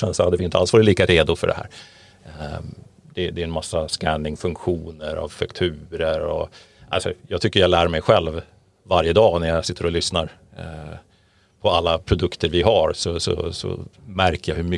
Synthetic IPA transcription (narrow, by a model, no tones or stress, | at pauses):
ɛnsɔhad̪ːəvɪɪnt̪əalsʋɑːɾɪt̪liːkaɾeːd̪ʊfœ̰ɖɛ̰hæ̰ːɾ | d̪̥ɛd̪ɛɛnmasːaskænd̪ɪŋfɵŋkɧuːnəɾa̰vfakt̪ʰʉ̟ːɾəɾɔ̰ʔalsɔjɑːɡt̪ʏkːəɾjalæːɾmɛjɧɛlvː | aɾjəd̪ɑːnæɾjasɪt̪ːəɾɔlʏsnaɾ | pʰɔalːapʰɾʊd̪ɵkt̪əɾvɪɦaɾsɔsɔ̰sɔ̰mæɾkəjahɵɾmʏ